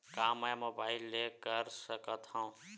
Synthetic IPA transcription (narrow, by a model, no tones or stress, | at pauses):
kamajmobailːekəɾsəkət̪ʰhʌ̃w̃